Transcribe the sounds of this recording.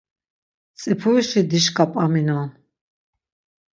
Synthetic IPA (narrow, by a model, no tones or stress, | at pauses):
t͡sʼipʰuiʃid̪iʃkʼapʼaminɔ